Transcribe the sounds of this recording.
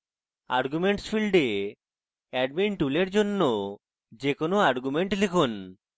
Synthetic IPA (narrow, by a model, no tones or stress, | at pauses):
a̰ɾɡumeɳʈsfilɖe | ɛɖmiɳʈuleɾd͡ʑonːo | d͡ʑekonoaɾɡumeɳʈlikʰun